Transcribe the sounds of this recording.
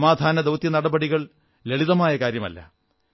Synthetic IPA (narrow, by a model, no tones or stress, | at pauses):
maːd̪ʱaːnɐd̪ɐwt̪jɐnɐɽɐbɐɽiɣɐɭ | leɭiðɐmaːjɐkaːɾjɐmɐ̰lːɐ̰